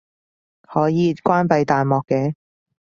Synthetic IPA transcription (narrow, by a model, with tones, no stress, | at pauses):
hɔː˨˥jiː˨˧kʷwaː˥npɐ˧jt̪aː˨jmɔː˨kːɛː˨˧˥